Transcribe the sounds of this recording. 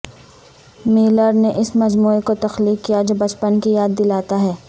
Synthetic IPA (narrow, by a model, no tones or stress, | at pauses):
miːləɾneʔɪsmɐd͡ʒmuːekot̪ɐxliːkːijad͡ʒobɐt͡ʃpənkijaːd̪ːɪlaːt̪aɦɛː